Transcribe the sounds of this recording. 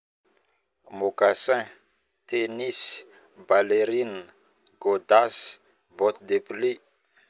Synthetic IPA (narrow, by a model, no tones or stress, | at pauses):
mokasɛ̃ | t̪enis | baleɾin | ɡod̪as | bɔt̪d̪epli